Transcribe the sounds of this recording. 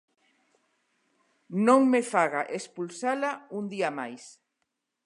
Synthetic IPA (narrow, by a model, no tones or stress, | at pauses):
nõŋmefaɣaʔespulsalaund̪iamajs